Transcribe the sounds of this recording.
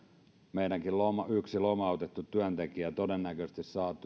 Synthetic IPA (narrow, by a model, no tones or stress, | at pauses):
meinæŋkillomɑyksilomɑot̪et̪ːut̪yænt̪ekiæt̪odenːækøst̪issɑːt̪ːˑu